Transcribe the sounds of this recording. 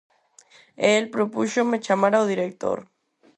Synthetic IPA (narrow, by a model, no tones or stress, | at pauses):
elpɾopuʃomet͡ʃamaɾawðiɾek̚t̪o̰ɾ